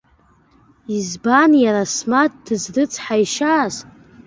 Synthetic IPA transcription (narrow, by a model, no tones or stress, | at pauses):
izbanjaɾasmat̚dɨzdɨt͡sʼʰħaiʃaːz